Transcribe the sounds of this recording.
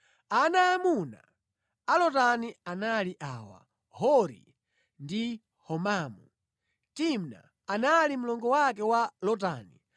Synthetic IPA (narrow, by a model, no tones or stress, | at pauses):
anaːmuna̰ | alɔtanianaliʔaːwa̰ | hɔɾḭ | ndi | hɔmaːmu | timna̰ː | nalimulɔŋɡɔwak̬ɛwalɔt̬aːni